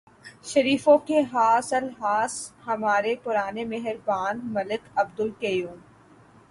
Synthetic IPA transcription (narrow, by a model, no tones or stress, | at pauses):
ʃɐɾiːfõkeɦaːsəlɦaːshɐmaːɾepʊɾaːnemɛɦɪɾbaːnmɐlɪkɐbd̪ʊlkejuːm